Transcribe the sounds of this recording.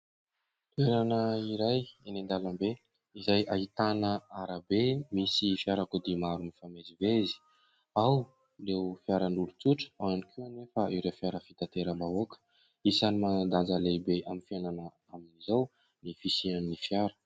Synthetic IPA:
t̪ueɾanəiɾajenend̪alambe | izajaɦit̪anəaɾabemisifjaɾakud̪imaɾunifamezivezi̥ | aw | rewfjaɾənulut͡suʈ͡ʂə̥aanikʰuanefaiwɾefjaɾəfit̪at̪eɾəmbaokə̥ | isanimad̪and͡zalebeaminfjananə | aminizaw | nifisiannifjaɾə̥

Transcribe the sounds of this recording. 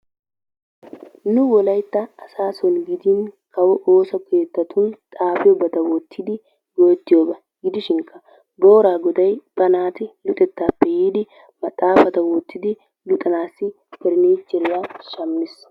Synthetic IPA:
nʊwɔlɐjt̪ːɐːsaːsɔnɡɪd̪ɪnkʰɐwɔʔoːsɔkʰeːt̪ːɐt̪ʰʊnt̪ʼaːfɪjɔbɐt̪ɐwɔt̪ːɪd̪ɪ | ɡo̞ːt̪ːɪjoːbɐ | ɡɪd̪ɪʃɪŋkʰːɐ | boːɾaːɡɔd̪ɐjb̥ɐnaːt̪ɪlʊt̪ʼɛt̪ːaːpːɛjiːd̪ɪ | mɐt̪ʼːaːfɐt̪ɐwɔt̪ːɪd̪ɪ | lʊt̪ʼɐnaːsːɪ | pɛɾɪneːt͡ʃːɛɾɪjaːʃɐmːɪs

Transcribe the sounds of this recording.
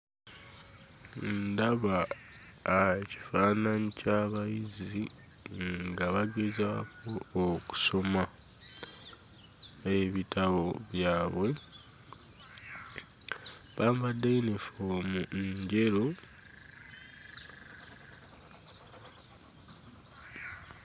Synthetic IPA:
ndaβaː | ci̥faːnaɲicaːβajizi | ŋɡaβaɡe̞zaːkʰo̞ːku̥so̞ma | eβitaβo̞βjaːβwe̞ | βaːmbadeinefomuɲɟe̞ɾo

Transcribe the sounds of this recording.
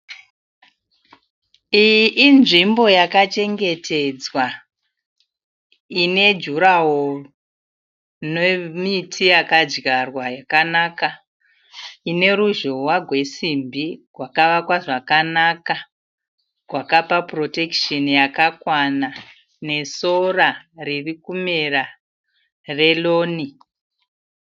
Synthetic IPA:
ijiʔːnʐimbo̞jakat͡ʃe̞ŋɡe̞tʰe̞d͡zwa | ine̞d͡ʒuɾawor | nemitʰijakad͡ʒɡarwajakanaka | ine̞ɾuʒo̞waɡʱwe̞simbirwakaʋakwaʐakanaka | rwakapapro̞te̞kʃenjakakwana | ne̞so̞raririkumera | re̞loːni

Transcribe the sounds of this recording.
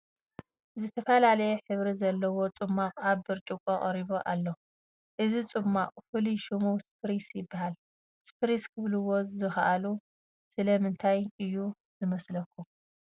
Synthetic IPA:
zɨt̪ʰɐfɐlalɐjɛħɨβɾizɐlːɐwo̞t͡sʼɨmːaʔʼaβbɨɾt͡ʃʼukʼɐkʼɐɾiβoʔalːo | ʔɨzit͡sʼɨmːaʔʼfɨliʃumuwspʰɾisjɪbːahal | spʰɨɾiskʰɨβluwo̞zɨxɐʔalu | sɨlɐmɨnt̪ʰajʔɨjːu | zɨmɐslɐkːum

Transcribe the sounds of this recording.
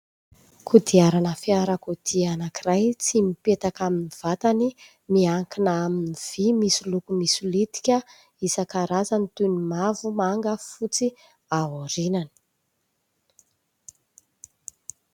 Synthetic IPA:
kʰud̪iaɾanəfiaɾəkud̪̥ianakirajt͡simipet̪akaminiv̥at̪ani | miaŋkinaaminniv̥imisulukumisulit̪i̥kʲə | isakaɾazanit̪unimavumaŋɡəfut͡si | aɦuɾinani̥

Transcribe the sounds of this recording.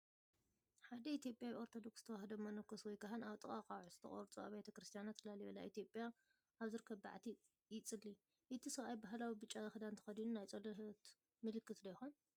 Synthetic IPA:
ħad̪ɐit̪ijo̞pʼjawio̞ɾt̪ʰo̞d̪o̞kst̪ʰɐwahɐd̪ɐmɐnɨkʰːoswɔjkaɦɨnaβt̪ʼɨkʼakʼaʕɨzɨt̪ʰɐ̰χʼo̰ɾt͡sʼuaβejt̪ʰɐkɾɨst̪ʰijanat̪ɨlaliβɐla̰ʔit̪ʰijo̞pʼja | ʔaβzɨɾɨkʰːɐβba̰ʕt̪ʰi | jɪt͡sʼɨlːi | ʔɨt̪ʰisɨβajbaɦlawibɨt͡ʃʼːazɐxɨd̪ant̪ʰɐ̥xɐd̪inunajt͡sʼɐlɐht̪ | mɨlɨkːɨt̪d̪ɐjxon

